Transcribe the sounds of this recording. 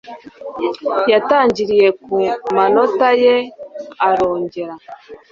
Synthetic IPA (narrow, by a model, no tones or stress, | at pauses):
jataːɲɟiɾije̞kumano̞tajeaɾoːɲɟe̞ɾa